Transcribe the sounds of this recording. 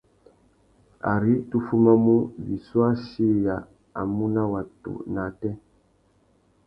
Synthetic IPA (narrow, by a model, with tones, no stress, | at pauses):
a̰˨ɾi˦tu˦fu˦ma˦mu˦vi˨swa˦ʃi˦ja˨ | a̰˨mu˦na˦wa˨tṵ˨na˨tɛ˦